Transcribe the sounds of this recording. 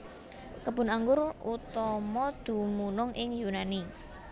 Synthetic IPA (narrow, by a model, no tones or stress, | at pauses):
kəb̥ʊ̤naŋɡʊɾut̪ɔmɔd̪̥ṳmunʊŋʔɪŋjunani